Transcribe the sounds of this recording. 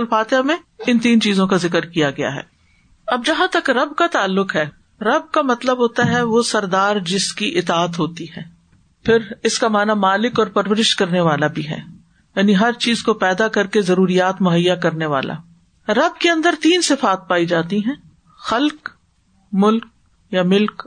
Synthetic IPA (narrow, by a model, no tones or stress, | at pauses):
lfaːt̪ɪjamẽɪnt̪iːnt͡ʃiːzõkazɪkəɾkijaɡɐja̰ɦɛ̰ː | ɐb̚d͡ʒɐɦãt̪ɐkɾɐbkat̪aːlːʊqɦɛː | ɾɐb̚kamɐt̪ləbɦoːt̪aɦɛʋosɐɾd̪aːɾd͡ʒɪskiʔɪt̪aːət̪ɦoːt̪iɦɛ̃ː | pʰɪɾɪskamaːnamaːlɪkɔːɾpɐɾʋəɾɪʃkɐɾneʋaːlabʱiɦɛ̰ː | jaːniɦɐɾt͡ʃiːzkopɛːd̪akɐɾkezɐɾuːɾijaːt̪mʊɦəjːakɐɾneʋa̰ːlʔa̰ː | ɾɐb̚keɐ̃nd̪əɾt̪iːnsɪfaːt̪̚paːid͡ʒaːt̪iɦɛ̃ː | xɐlk | mʊlk̚ | jamɪlk